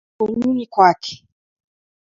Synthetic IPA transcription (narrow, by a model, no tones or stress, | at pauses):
ɔɲunikwakʰɛ̥